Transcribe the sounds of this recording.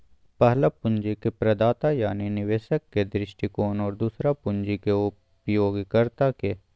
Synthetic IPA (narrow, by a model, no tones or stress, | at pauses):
pəɦlapʊnd͡ʒikepɾɐd̪aːt̪ajaːninɪʋeːʃəkːed̪ɾɪʃʈikoːnɔːɾd̪uːsɾapʊnd͡ʒikeʊ | pjoːɡkɐɾt̪ake